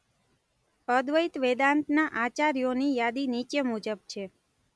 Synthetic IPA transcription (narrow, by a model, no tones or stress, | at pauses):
əd̪ʋəit̪ʋed̪ant̪naʔat͡ʃaɾijonijad̪init͡ʃemud͡ʒəb̚t͡ʃʰe